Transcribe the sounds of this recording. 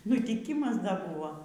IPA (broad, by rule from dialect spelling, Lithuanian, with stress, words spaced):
nʊtʲɪˈkʲiːmɐs ˈdɐ ˈbʊʋoː